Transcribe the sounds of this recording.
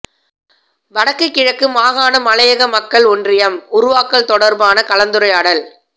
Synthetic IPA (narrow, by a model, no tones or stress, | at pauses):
ʋɐɽɐkːɯkːɪɻɐkːɯmaːɣaːnɐmɐlɐjɐɣɐmɐkːɐɭɔndrɪjɐmʊɾʊʋaːkːɐɭt̪ɔɽɐɾbaːnɐkɐlɐnd̪ɯɾɐɪaːɽɐl